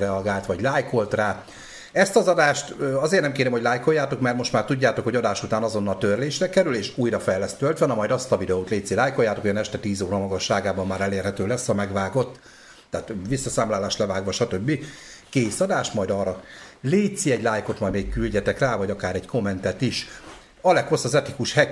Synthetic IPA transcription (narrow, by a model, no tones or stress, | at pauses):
rɛɒɡaːlt̪ʋɒɟlaːjko̞lt̪raː | ɛst̪ɒzɒd̪aːʃt̪øɒzeːrnɛmkeːɾɛmho̞ɟʲlaːjko̞jːaːt̪o̞kmɛrmo̞ʃt̪maːrt̪uɟːaːt̪o̞kho̞ɟɒd̪aːʃut̪aːnɒzo̞nːɒlt̪ørleːʃrɛkɛɾyleːʃuːjrɒfɛjlɛst̪ølt̪ʋɛnɒmɒjd̪ɒst̪ɒvid̪ɛoːt̪leːt̪silaːjko̞jːaːt̪okːoɒnɛʃt̪ɛt̪iːzoːɾɒmɒɡɒʃːaːɡaːbɒmːaːɾɛleːrhɛt̪øːlɛshɒmɛɡvaːɡo̞t̪ː | ɛːt̪visːɒsaːmlaːlaːʃt̪lɛvaːɡʋɒʃɒt̪øbːikeːsɒd̪aːʃt̪mɒjd̪ɒːrɒleːt̪siɛɟlaːjko̞t̪mɒj̪meːkkylɟɛt̪ɛkraːvɒɟɒkaːɾɛɟko̞mːɛnt̪ɛt̪iʃ | ɒlɛkho̞sːɒzɛt̪ikuʃhɛ